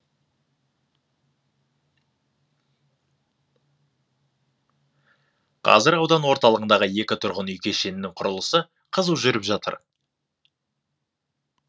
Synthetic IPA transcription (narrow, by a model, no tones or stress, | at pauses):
qʰɑ̰zɪɾɑwd̪ɑnwo̞ɾt̪ɑlˠəʁənd̪ɑʁəje̞kʲɪt̪ʰʊɾʁənʏjkʲe̞ʃe̞nɪnɪŋqʰʊɾəlˠəsə | qʰəzəwʒʏɾɪpʒɑt̪ə̰ɾ